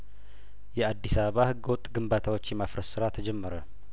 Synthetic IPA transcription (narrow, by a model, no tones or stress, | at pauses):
jɛad̪ːisaβəβahɨɡːəwɔt̪ʼːɡɨmbat̪ʰawot͡ʃːjɛmafɾəsɨɾat̪ʰəd͡ʒɛmːəɾə